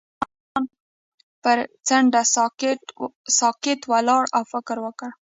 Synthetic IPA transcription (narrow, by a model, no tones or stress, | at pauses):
ɑn | pəɾt͡saɳɖas | sɑkɪt̪walɑɽawfɪkɾwəkəɽ